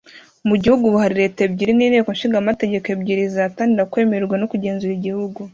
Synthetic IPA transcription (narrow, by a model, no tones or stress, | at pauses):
muɟihuɡuβuhaɾiɾe̞tebɟiɾiniːneːkonʃiːŋɡamate̞ɟe̞kebɟiɾizaːtaːndiɾakwe̞ːmeɾeɾɡwano̞kuɟe̞ːnzuɾiɟihuɡu